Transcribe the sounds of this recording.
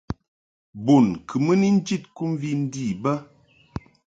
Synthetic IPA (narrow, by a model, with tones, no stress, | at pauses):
bo˨nkʰɨ˨mə˦ni˦n̩˦d͡ʒi˦˨t̚ku˦m˦vi˦n̩˦di˦˨bə˦